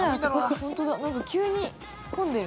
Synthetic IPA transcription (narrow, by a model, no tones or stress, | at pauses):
hõnt̪od̪anãŋkakʲɨːɲ̟i | kõnd̪eɾɯ